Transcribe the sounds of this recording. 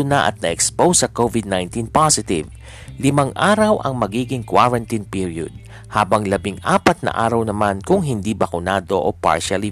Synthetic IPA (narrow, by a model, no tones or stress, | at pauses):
ʊnɐʔɐ̰t̪̚nɐʔɛkspowsɐkovɪd̪̚najnt̪inpasɪt̪ɪv | lɪmaŋʔaːɾɐwʔɐ̰ŋmɐɡiːɡɪŋkwaɹɐnt̪inpiɹjo̰d̪̚ | haːbɐŋlɐbɪŋʔaːpɐt̪̚nɐ̰ʔa̰ːɾɐwnɐmankʊŋɦɪnd̪ibɐkʊnaːd̪o̞ʔopa̰ɹʃali